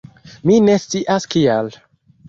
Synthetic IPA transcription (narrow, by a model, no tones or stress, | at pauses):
mine̞st͡siʔaskial